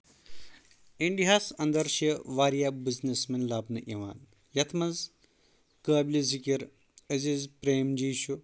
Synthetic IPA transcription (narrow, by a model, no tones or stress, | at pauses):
iɳɖiɦaːsɐnd̪ɐɾʃɐʋaːɾjabiznesmɐnlaːbnɐʔiʋa̰ːn | jɐt̪ʰmɐz | kəːblizʱikiɾ | əzizpɾeːmd͡ʒiːʃu